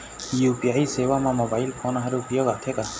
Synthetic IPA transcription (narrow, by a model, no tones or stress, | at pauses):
jupiajsɛwamamɔbajilpʰɔnaɦaɾupijɔɡat̪ʰɛka